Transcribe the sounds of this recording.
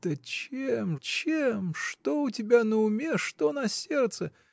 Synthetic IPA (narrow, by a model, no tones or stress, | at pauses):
t̪ət͡ɕemt͡ɕemʂt̪oʊtʲɪbʲanəʊmʲeʂt̪onɐsʲe̞rt̪sə